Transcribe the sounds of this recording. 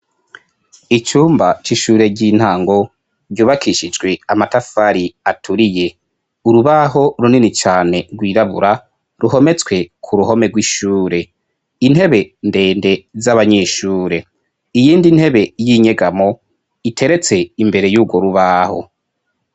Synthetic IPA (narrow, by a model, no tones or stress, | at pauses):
it͡ʃuːmbat͡ʃiʃuːɾe̞ɟiːn̥haːŋɡo̞ | ɟuːβakʰiʃid͡ʒɡwe̞amatafaɾiatʰuɾije̞ | uɾuβaɦo̞ɾuninit͡ʃaːne̞ɾɡwiːɾaβṵɾa | ɾuho̞me̞t͡swe̞kʰuɾuɦo̞me̞ɡwiʃuːɾe̞ | in̥he̞βe̞nde̞ːnde̞zaβaɲe̞ːʃuːɾe̞ | ijiːndin̥he̞βe̞jiɲe̞ɡamo̞ | itʰe̞ɾe̞t͡se̞imbe̞ɾe̞juːɡwo̞ɾuβaho̞̰